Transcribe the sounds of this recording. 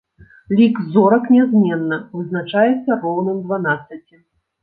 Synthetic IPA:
lʲikzɔɾɐknʲɛzmʲɛnːɐvɨznat͡ʂajɛt̪sːɐrɔwnɨmd̪vanat̪sːɐt͡sʲi

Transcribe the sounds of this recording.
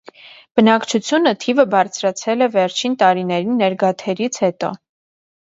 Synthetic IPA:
b̥ənɑkt͡ʃʰut͡sʰjunət̪ʰivəbɑɾt͡sʰɾɑt͡sʰɛlɛvɛɾt͡ʃʰint̪ɑɾinɛɾinːɛɾɡɑt̪ʰɛɾit͡sʰhɛt̪ɔ̰

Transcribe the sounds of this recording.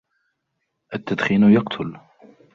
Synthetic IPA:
ʔat̪ːad̪xiːnjɑqt̪ʰʊl

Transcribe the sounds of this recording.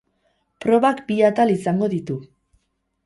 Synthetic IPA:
pɾo̞βakbiat̪alisaŋɡo̞ðit̪u

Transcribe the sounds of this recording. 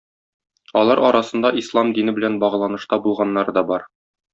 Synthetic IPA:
ɒlˠɑɾɒɾɑsɤ̆nd̪ɑʔislˠɑmd̪inɘbɘ̆lænbɒʁɤ̆lˠɑnɤ̆ʃt̪ɑbulˠʁɑnːɑɾɤd̪ɒbɒɾ

